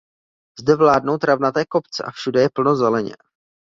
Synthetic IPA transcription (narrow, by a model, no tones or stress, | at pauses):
zdɛvlaːdno̞wt̪ɾavnat̪ɛːko̞pt͡sɛ̰ʔafʃudɛjɛpl̩no̞zɛlɛɲɛ̰